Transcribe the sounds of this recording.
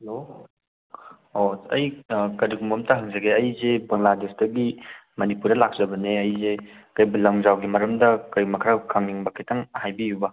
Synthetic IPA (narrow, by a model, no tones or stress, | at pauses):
ɐlo | osɐjkɐɾiɡumɐmtɐɦɐŋzɐɡeɐjzebɐŋladesdɐɡimɐnipuɾdɐlak̚z̥ɐbɐneɐjzekɐjblɐŋzawɡimɐɾɐmdɐkɐjmɐkʰɾawkʰamiŋbɐkʰetʰɐŋhajbijubɐ